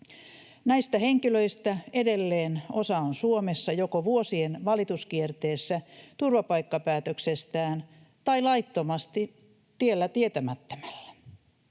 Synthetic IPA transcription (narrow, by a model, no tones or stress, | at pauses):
næist̪æheŋkiløist̪æedelːeːnosɑonsuomesːɑjokoʋuosienʋɑlit̪uskiert̪eːsːæt̪urʋɑpɑikːɑpæːt̪øksest̪æːn | t̪ɑilɑit̪ːomɑst̪i | t̪ielːæt̪iet̪æmæt̪ːø̥mælːæ̥